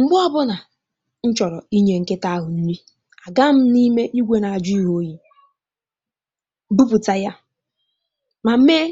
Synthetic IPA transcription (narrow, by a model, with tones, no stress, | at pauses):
ŋ͡m̩˨ɡ͡bɔ˦bʊ˦na˨ | n̩˦t͡ʃɔ˨ɾɔ˨i˦ɲe˨ŋ̩˨ke˦ta˦a˦ɦʊ˨n̩˦ni˦ | a˨ɡa˦m̩˦ni˦me˦i˦ɡʷe˦na˨a˨d͡ʒʊ˦i˦ɦo˦ji˨˦ | bu˦pu˨ta˨ja˦ | ma˨m̩˦me˦